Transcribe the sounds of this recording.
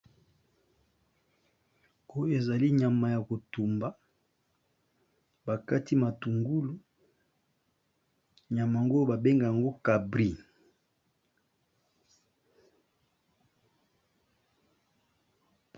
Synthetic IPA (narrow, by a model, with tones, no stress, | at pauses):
o˦jo˦e˨za˨li˦ɲa˨ma˨ja˨ko˨tu˨mba˦ | ba˨ka˦ti˦ma˨tu˨ŋɡu˦lu˦ | ɲa˨ma˨ŋɡo˦ba˨be˦ŋɡa˨ja˨ŋɡo˦ka˨bʁi˦